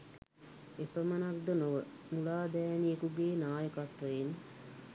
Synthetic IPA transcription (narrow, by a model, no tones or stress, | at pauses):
epəmənakd̪ənoʋə | mulaːd̪ɛːniekuɡeːnaːjəkat̪ʋəjen